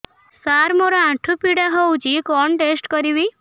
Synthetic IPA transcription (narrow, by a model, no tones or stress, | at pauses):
saɾmoɾɔãʈʰupiɽaɦowt͡ʃikɔɳʈesʈkɔɾibi